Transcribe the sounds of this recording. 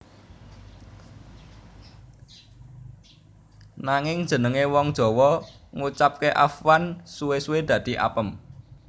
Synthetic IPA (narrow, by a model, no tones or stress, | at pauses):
naŋɪŋ̥d͡ʒ̥ə̤nəŋewɔŋd̥ʒ̥ɔ̤wɔŋut͡ʃap̚keʔa̰fwansuwesued̪̥ä̤d̪̥i̤ʔa̰pəm